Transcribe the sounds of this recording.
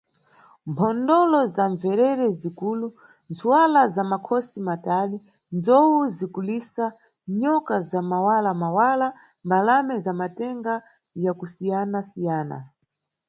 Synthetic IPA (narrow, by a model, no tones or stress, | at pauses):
mpʰɔndɔlɔzaɱvɛɾɛɾɛzikuːlu | nt͡sʰuwalazamakʰɔsimatali | nd͡zɔwuzikulisa | ɲɔkazamawalamawala | mbalamɛzamatɛŋɡa | jakusijanasijaːna̰